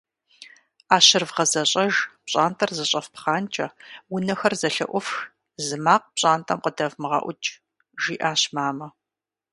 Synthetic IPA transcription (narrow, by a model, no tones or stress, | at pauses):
aːɕɪrvʁɐzɐɕʼɐʒpɕʼaːntʰʼɐrzɐɕʼɐfpχaːnt͡ʃʼɐwʊnɐxɐrzɐɬɐ̰ʔʷɔfx | zɨmaːq̚pɕʼaːntʰʼɐmqədɐvmɨʁɑ̰ʔʷʊt͡ʃʼ | ʒiːʔaːɕmaːmɐ